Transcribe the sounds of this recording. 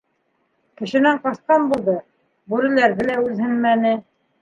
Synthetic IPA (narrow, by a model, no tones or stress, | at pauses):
kɘ̆ʃɘ̆næɴqɑsqɑnbulˠd̪ɤ | bʉɾɘ̆læɾðɘ̆læʉðhɘnmænɘ